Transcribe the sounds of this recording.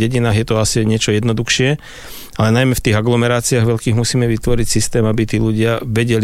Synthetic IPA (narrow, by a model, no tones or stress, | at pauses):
ɛɟinaːɣjɛt̪ɔasiaɲɪɛt͡ʃɔjɛd̪nɔd̪uxʃɪɛ | alɛnajmɛft̪iːɣaɡlɔmɛɾaːt͡siaːɣʋɛʎkiːɣmusiːmɛʋit̪ʋɔɾicsist̪ɛːmabit̪iːluɟɪaʋɛɟɛli